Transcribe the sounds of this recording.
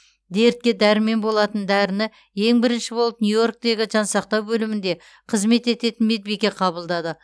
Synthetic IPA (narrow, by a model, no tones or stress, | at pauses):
d̪e̞ɾt̪̚kʲed̪æɾɪme̞nbo̞lˠɑt̪ənd̪æɾɪnɪ | je̞ŋbɪɾɪnʃɪbo̞lˠəp̚njujo̞rk̚t̪e̞ɡʲɪʒɑnsɑq̚t̪ɑwbɵlɪmɪnd̪e̞ | qʰəzme̞t̪e̞t̪e̞t̪ɪnmed̪̚bekʲe̞qʰɑbəlˠd̪ɑd̪ə